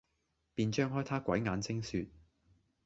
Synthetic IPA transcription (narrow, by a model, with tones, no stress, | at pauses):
piː˧nt͡ʃœː˥ŋɦɔː˥jt̪ʰaː˥kʷɐ˨˥jŋaː˨˧nt͡sʰɪ˥ŋsyː˧t̚